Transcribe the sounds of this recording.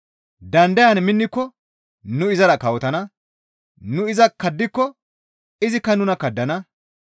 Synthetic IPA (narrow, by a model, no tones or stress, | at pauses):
d̪ɐnd̪ɐjɐnmɪnːɪkːɔ | nʊɪzɐɾɐkɐwɔt̪ɐnɐ | nʊɪzɐkːɐd̪ːɪkːɔ | ɪzɪkːɐnʊnɐkɐd̪ːɐnɐ